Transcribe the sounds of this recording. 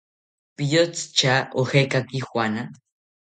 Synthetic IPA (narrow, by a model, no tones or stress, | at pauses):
pijot͡st͡ʃaoxekakixwana